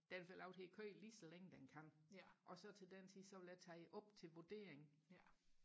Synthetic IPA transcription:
d̥æfelɑʊ̥he̝kʰøːliːsɒleŋəd̥enkʰæn̰ʔɒ̽sɒ̽t͡sʰe̝ld̥ent͡sʰiðˠsɒ̽ʋe̝ljæt͡sʰæɪʔɒ̽b̥t͡sʰe̝lʋod̥e̝ːɐeŋ̩

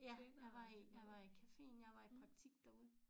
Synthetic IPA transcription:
jæjɑʋɑijɑʋɑ̈ikʰæfe̝̰ːnjɑʋɑ̈ippʰʁɑ̈ɡ̥̚t͡sʰiɡ̥̚d̥ɔuð̩ˠ

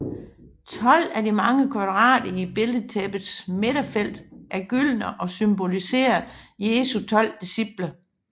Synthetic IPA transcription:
t͡sʰɒ̽l̰ædimɑ̈ŋəkʰʋɑ̈d̥ʁɑ̰̈ːd̥ɐib̥e̝lð̩t͡sʰɛb̥ð̩ˠsmeɾ̥ɐfel̰d̥ʔæɐɡ̥yl̰nəʔɒ̽symbo̝lise̝̰ːɐje̝ːsut͡sʰɒ̽l̰d̥isib̥lə

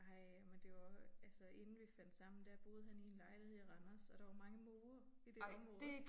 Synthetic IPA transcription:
ɑɪmend̥e̝ʋɑælsəe̝nn̩ʋifæn̰d̥sɑ̈m̰n̩d̥æb̥o̝ːð̞̩ˠhænienlɑ̈ɪlihḛʁɑnɐsɒ̽d̥ɑ̈ʋɑ̈mɑ̈ŋəmoːɐ | id̥eode

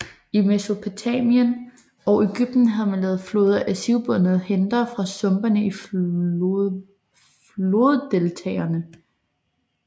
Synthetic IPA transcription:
imeso̝pʰo̝t͡sʰɛmiən | ɒ̽ʔe̝ɡ̥yb̥̚d̥n̩ɦæð̞̩ˠmænlɛːð̞̩ˠflo̝ːð̞ˠɐʔæsiʊb̥ɔnəð̩ˠhend̥ɐfʁɑ̈sɔ̽mb̥ɐnəi | lo̝ðˠd̥e̝lt͡sʰɛ̰ːɐnə

